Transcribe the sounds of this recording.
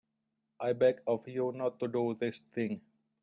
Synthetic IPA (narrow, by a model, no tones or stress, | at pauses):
ʔaɪbɛkɔfjunɔtːuɖuːðɪst̪ʰɪ̃ŋ